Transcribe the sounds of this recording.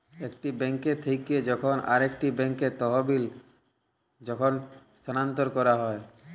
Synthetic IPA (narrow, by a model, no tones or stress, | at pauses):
ekʈibɛŋket̪ʰejked͡ʑɔkʰonʔa̰ɾek̚ʈibɛŋket̪ɔɦobil | d͡ʑɔkʰonst̪ʰanant̪oɾkɔɾaɦɔe